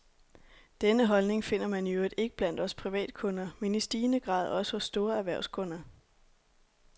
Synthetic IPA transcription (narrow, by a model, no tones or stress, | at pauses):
d̥enəɦɒ̽lne̝ŋfe̝n̰ɐmæniøːid̥e̝ɡ̥ə̥b̥læn̰d̥ɒ̽spʰʁiʋɛ̰ːd̥̚kʰɔ̽nɐmenisd̥iːnəɡ̥ʁɑ̰̈ːð̞̩ˠɒ̽səhɔ̽sːd̥o̝ːɐæɐʋæɐ̰ʊskʰɔ̽nɐ